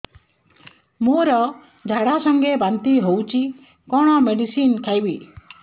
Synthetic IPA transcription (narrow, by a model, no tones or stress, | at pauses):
moɾɔ | d͡ʒʱaɽasɔŋɡebant̪iɦowt͡ʃʰi | kɔɽ̃ɔmeɖisinkʰajbi